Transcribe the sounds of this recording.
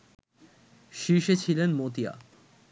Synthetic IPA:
ʃiʃet͡ɕʰilenmot̪ia̰

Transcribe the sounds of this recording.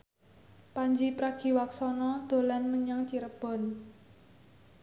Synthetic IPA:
paɲd͡ʒipɾaɡ̥i̤waksɔnɔd̪̥o̤lanməɲaŋt͡ʃiɾəb̥ɔ̤n

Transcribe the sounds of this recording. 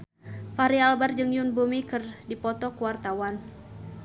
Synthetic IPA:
faɾialbard͡ʒɨŋjunbumikɨrdipɔt̪ɔkuwart̪awan

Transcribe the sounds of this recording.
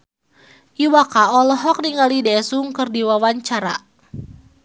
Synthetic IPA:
ʔiwakaɔlɔɦɔk̚niŋalidɛsuŋkɨrdiwawaɲt͡ʃaɾa

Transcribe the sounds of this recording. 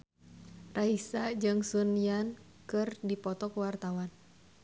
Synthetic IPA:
raɦisad͡ʒɨŋsunijan | kɨrdipɔt̪ɔkuwart̪awan

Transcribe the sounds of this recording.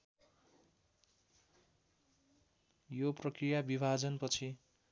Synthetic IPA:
joprʌkrijabibʱad͡zʌnpʌt͡sʰi

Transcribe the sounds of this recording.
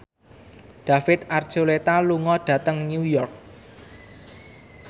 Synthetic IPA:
ɖ̥a̤fɪt̪̚ard̥ʒ̥olet̪aluŋɔɖ̥ä̤t̪əŋnujɔrk̚

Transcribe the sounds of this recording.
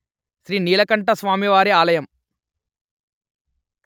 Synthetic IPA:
ʃɾiːniːlɐkɐɳʈɐsʋaːmiʋaːɾiaːlɐjɐm

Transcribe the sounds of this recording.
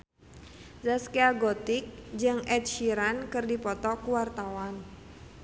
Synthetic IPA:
zaskeaɡɔt̪ɪk̚d͡ʒɨŋɛt̪̚ʃiɾankɨrdipɔt̪ɔkuwart̪awan

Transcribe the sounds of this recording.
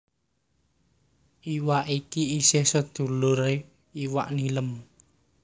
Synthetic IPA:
ʔiwaʔikiisɪhsəd̪̥ṳlʊɾe | iwaʔniləm

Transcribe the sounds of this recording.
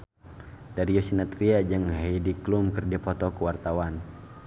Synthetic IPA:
daɾijɔsinat̪ɾiad͡ʒɨŋɦajdiklumkərdipɔt̪ɔkuwart̪awan

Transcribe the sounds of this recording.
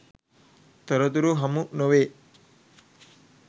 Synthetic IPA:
t̪əɾɔt̪uɾuɦɐmunoʋeː

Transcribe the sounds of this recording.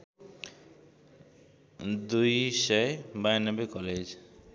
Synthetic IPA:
d̪ujʃajbajnɔbekɔled͡ʑ

